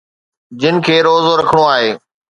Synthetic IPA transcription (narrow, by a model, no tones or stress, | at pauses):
d͡ʑɪnɪ̆kʰeːɾoːzoɾɐkʰəɽ̃oaːɦeː